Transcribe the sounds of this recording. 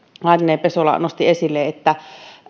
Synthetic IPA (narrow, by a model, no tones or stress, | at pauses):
ɑˑnineːpesolɑ̰nost̪iesilːeːet̪ːæ